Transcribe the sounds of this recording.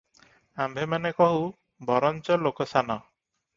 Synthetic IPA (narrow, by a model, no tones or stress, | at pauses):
ambʱemanekɔɦu | bɔɾɔnt͡ʃɔlokɔsanɔ